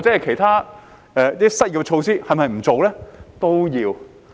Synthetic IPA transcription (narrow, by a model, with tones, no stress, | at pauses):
t͡sɛ˨˥ɐ˨jkʰe˨˩jt̪ʰaː˥ | ɛː˧t̪i˥sɐ˥t̚kɛ˧t͡ʃʰo˧wsiː˥hɐ˨jmɐ˨jm̩˨˩t͡so˨wlɛː˥t̪o˥wjiː˧w